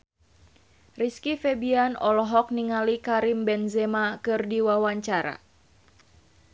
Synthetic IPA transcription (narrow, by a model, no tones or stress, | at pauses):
riskifɛbianɔlɔɦɔk̚niŋalikaɾimbɛnzɛmakɨrdiwawaɲt͡ʃaɾa̰